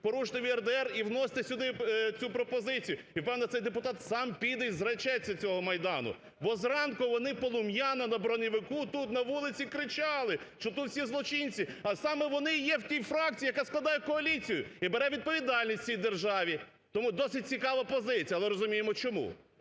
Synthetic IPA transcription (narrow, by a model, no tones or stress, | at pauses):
pɔɾuʃt̪ɪʋʲiɛrd̪ɛɛriwnɔsʲt̪ɪsʲʊd̪ɪt͡sʲupɾɔpɔzɪt͡sʲijʊiwpɛwnɛt̪sɛjd̪epʊt̪ɑt̪sɑmpʲid̪ɛjzɾɐt͡ʃɛt͡sʲːɐt͡sʲɔɦɔmɐjd̪ɑnʊ̰ | bɔzɾɑnkʊʋɔnɪpɔlˠʊmjɑnɐnɐbɾɔnʲɪʋɪkut̪ut̪nɐʋulˠɪt͡sʲikɾɪt͡ʃɑlˠɪʃt͡ʃɔt̪ut̪wsʲizlˠɔt͡ʃinʲt͡sʲiɐsɑmɛʋɔnɪjɛwtʲijfɾɑk̚t͡sʲijɐkɑsklˠɐd̪ɑjɛkɔɐlʲit͡sʲijʊibeɾɛʋʲid̪̚pɔʋʲid̪ɑlʲnʲisʲtʲt͡sʲijd̪erʒɑʋʲi | t̪ɔmud̪ɔsɪt̚ʲt͡sʲikɑʋɐpɔzɪt͡sʲijɐːlˠɛɾɔzʊmʲijemɔt͡ʃɔmṵ